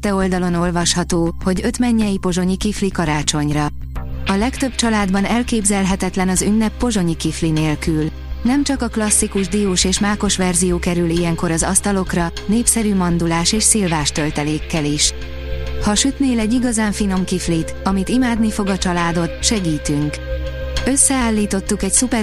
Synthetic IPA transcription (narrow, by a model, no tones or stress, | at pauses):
t̪ɛo̞ld̪ɒlo̞no̞lvɒʃhɒt̪oːho̞ɟø̞t̪mɛɲːɛjipo̞ʒo̞ɲikiflikɒɾaːt͡ʃo̞ɲrɒ | ɒlɛkt̪ø̞b̥̚t͡ʃɒlaːd̪bɒnɛlkeːbzɛlɦɛt̪ɛt̪lɛnɒzynːɛpːo̞ʒo̞ɲikiflineːlkyl | nɛmt͡ʃɒkɒklɒsːikuʒd̪ijoːʃeːʃmaːko̞ʃʋɛrzijoːkɛɾylijɛŋko̞ɾɒzɒst̪ɒlo̞krɒneːpsɛɾymɒnd̪ulaːʃeːʃseːlvaːʃt̪ø̞lt̪ɛleːkːɛliʃ | hɒʃyt̪neːlɛɟːiɡɒzaːɱfino̞mkiflit̪ɒmit̪imaːd̪nifo̞ɡɒt͡ʃɒlaːd̪o̞t̪ʃɛɡiːt̪yŋk | ø̞sːɛaːlːiːt̪o̞t̪ːukɛcsupɛ